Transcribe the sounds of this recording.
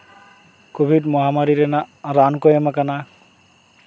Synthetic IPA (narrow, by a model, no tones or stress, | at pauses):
kobʱidmɔɦamaɹiɾɛnaɹankɔjɛmakana